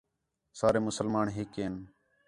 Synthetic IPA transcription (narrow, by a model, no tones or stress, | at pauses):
saːɾeːmʊsəlmaːɳɦɪkeːn